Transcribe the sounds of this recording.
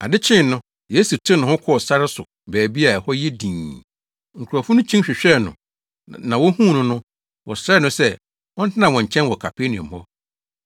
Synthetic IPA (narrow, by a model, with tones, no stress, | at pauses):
a˨dɪ˦t͡ɕʰɪ̃˦˨nʊ̃˦ | jeː˨˦su˨tʰɪ̃˦nʊ̃˨hʊ̃˦kʰɔ˦ɔ˨sa˦ɾɪ˦sʊ˨ | bɛː˨bi˦a˨hɔ˦jɛ˦dĩː˨ | ŋ̩˨kʰu˨ɾa˨fʊ̃˦nʊ̃˦t͡ɕʰĩ˦ɕᶣɪ˨ɕᶣɛ˦˨nʊ̰̃˨ | nã˨wɔ˦hũ˦˨nʊ̃˦nʊ̃˦ | wɔ˨sɾɛː˦˨nʊ̃˦sɛ˦ | wɔ˦n̩˦tʰɪ˦nã˨wɔ̃˨ɲ̩˨t͡ɕʰɛ̃˦nwɔ˨kʰa˨pʰe˦nɪ̃˨ɔ̰̃˨hɔ˦